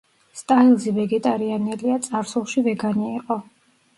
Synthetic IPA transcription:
st̪ʼailˠzivɛɡɛt̪ʼaɾianɛliat̪sʼaɾsulˠʃivɛɡaniiqʼɔ

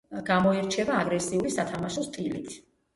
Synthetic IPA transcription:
ɡamɔiɾt͡ʃʰɛvaːɡɾɛsiulisat̪ʰamaʃɔst̪ʼilḭt̪ʰ

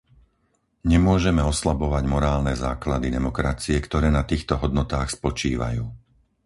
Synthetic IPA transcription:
ɲɛmʊɔʒɛmɛɔslabɔʋaɟmɔɾaːlnɛzaːklad̪id̪ɛmɔkɾat͡siɛkt̪ɔɾɛːnat̪iːxt̪ɔɦɔd̪̚nɔt̪aːxspɔt͡ʃiːʋa̰juː

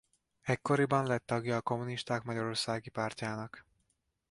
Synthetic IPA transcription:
ɛcko̞ɾibɒnlɛt̪ːɒɡjɒːko̞muniʃt̪aːkmɒɟɒɾo̞rsaːɡipaːrcaːnɒk

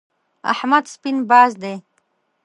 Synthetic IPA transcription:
a̰ħmad̪spinbaːzd̪e

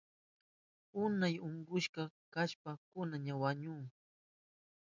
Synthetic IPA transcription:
ʊnajʊɴɢʊʃɢɑkaʃpakʊnaɲawaɲʊː

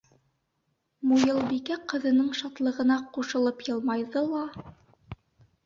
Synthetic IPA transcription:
mujɤlˠbikæqɤ̆ðɤ̆nɤɴʃɑt̪lˠɤ̆ʁɤ̆nɑquʃɤ̆lˠɤpjɤ̆lˠmɑjðɤlˠɑ

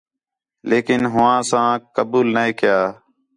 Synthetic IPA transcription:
leːkɪnɦʊʋãːsãːkəbuːlnaẽːkɪjaː

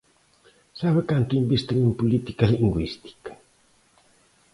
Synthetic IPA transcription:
saβekant̪uimbist̪enimpulit̪i̥kaliŋɡwist̪i̥kḁ

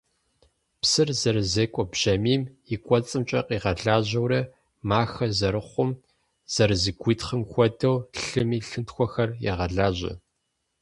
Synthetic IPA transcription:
psɨrzɐrzeːkʷʼɔbʒ̥ɐmiːm | ikʷʼɔt͡sʼɨmt͡ʃʼɐqiːʁɐɮaːʑɐwɾɐ | maːxɐzɐɾɨχʷʊm | z̥ɐɾɨzɨɡʷiːtχəmxʷɔdɐwɬɨmiːɬɨntxʷɔxɐrjɛ̰ʁɐɮaːʑɐ̰

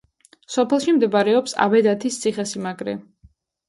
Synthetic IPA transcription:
sɔpʰɛlˠʃimd̪ɛbaɾɛɔpsa̰bɛd̪at̪ʰist̪sʰiχɛsimaɡɾɛ̰

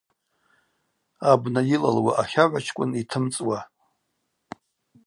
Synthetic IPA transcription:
abnajila̰lwa̰ʔaχʲaʕʷat͡ʃʰkʷʼʊnitʰɨmt͡sʼwa

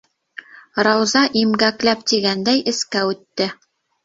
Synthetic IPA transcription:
ɾɑwzɑʔimɡæklæp̚t̪iɡænd̪æjʔɘ̆skæʉt̪ːɘ

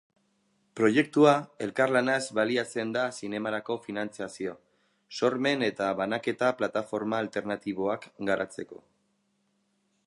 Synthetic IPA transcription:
pɾo̞je̞k̚t̪uae̞lkarlanazβaliat͡se̞nd̪asine̞maɾako̞finant͡siasio̞ | so̞ɾme̞ne̞t̪aβanake̞t̪aplat̪afo̞ɾmaːlt̪e̞ɾnat̪iβo̞akɡaɾʔat͡se̞ko̞̰

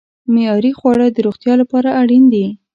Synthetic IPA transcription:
mejɑɾixwɑɽəd̪əɾoɣt̪jɑlapɑɾaʔaɽind̪i

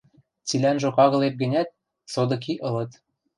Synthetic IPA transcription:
t͡silænʒokɑɣɤ̆lep̚ɡə̆nʲæt̪̚ | sod̪ɤ̆k̬iʔɤ̆lɤ̆t̪

